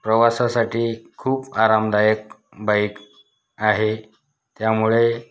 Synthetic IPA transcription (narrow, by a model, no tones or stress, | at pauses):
pɾəʋasasaʈiːkʰːuːpaɾamd̪ajək̚ | bajk | aɦe | t̪jamuɭe